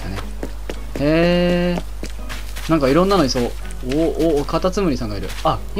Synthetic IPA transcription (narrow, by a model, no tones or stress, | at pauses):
anḛ | heː | nãŋkaiɾõ̞nːano̞ɲiso | oʔokat̪at͡sɨmɯ̟ɾʲisãŋɡaiɾɯ̟̰a